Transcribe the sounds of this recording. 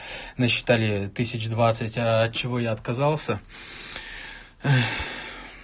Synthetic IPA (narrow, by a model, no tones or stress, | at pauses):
nəɕːɪ̥t̪alʲɪt̪ɨsʲɪt͡ɕd̪vat̪sɨtʲɐt̚t͡ɕːɪvo̞jaɐt̪̚kɐzalˠsʲə